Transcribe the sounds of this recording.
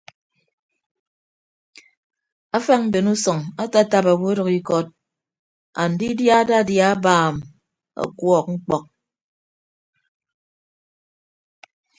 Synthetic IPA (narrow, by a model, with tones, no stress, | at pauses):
a˦fa˦ŋ̚m̩˦be˨nu˦sɔ˨ŋa˦ta˦ta˨pa˨wo˦ɾɔ˨ki˦kɔ˦t̚ | a˨n̩˨di˦dja˦da˦˨dja˦baː˦˨m | a̰˨kwɔ˨k̚ŋ̩˦k͡pɔ˦k̚